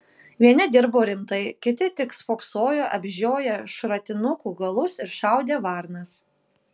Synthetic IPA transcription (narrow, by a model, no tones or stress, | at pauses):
ʋʲiɛnʲɪd̪ʲɪɾboːɾʲɪmt̪ɐɪkʲɪt̪ʲɪt̪ʲɪksfoːksoːjoːʔɐbʲʒʲoːjɛʃɾɐt̪ʲɪnʊkuːɡɐlˠʊsɪɾʃɑˑʊd̪ʲeːʋɑˑɾnɐs